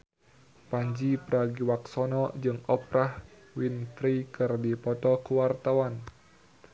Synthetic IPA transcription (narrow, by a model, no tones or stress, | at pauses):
paɲd͡ʒipɾaɡiwak̚sɔnɔd͡ʒɨŋɔpɾah | winfɾikɨrdipɔt̪ɔkəwart̪awan